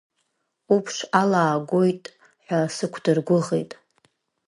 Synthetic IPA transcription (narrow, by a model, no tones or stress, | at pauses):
upʰʂalaːɡʷojtʼ | ħʷᶣasɨkʷʰdɨrɡʷʊʁḛjtʼ